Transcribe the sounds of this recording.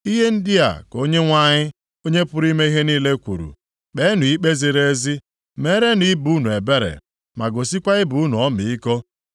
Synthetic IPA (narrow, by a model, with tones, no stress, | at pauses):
i˦ɦe˦n̩˦di˦a̰˨ko˦ɲe˦ŋʷa˦ɲɪ˦ | o˦ɲe˦pʊ˦ɾi˦me˦i˦ɦe˦niː˦le˦kʷṵ˨ɾṵ˨ | ɓe˨˦nʊ˨i˦k͡pe˦zi˨ɾe˦zi˦ | me˦ɾe˦ni˦bu˨˦nu˨e˨be˦ɾḛ˨ | ma˨ɡo˨si˦kʷa˦ɪ˦bu˨u˦nu˨ɔ˦mi˨i˦ko˦